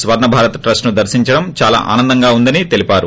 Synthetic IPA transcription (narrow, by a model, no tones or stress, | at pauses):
sʋɐɾɳɐbʱaːɾɐt̪ɐʈɾɐsʈnud̪ɐɾʃiɲt͡ʃɐɽɐmt͡ʃaːla̰ːʔa̰ːnɐnd̪ɐŋɡaːund̪ɐnit̪e̞lipaːɾu